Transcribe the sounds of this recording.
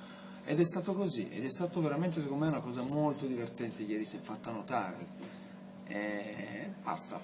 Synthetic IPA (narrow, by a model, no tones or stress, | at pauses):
ɛ̰d̪ɛst̪aːt̪okozḭʔɛ̰d̪ɛst̪aːt̪oveɾament̪es̬ekomːmɛunakɔːzamolt̪od̪ivert̪ɛnt̪ejɛːɾisɛfːat̪ːanot̪aːɾḛ | ɛ | ba̰st̪a̰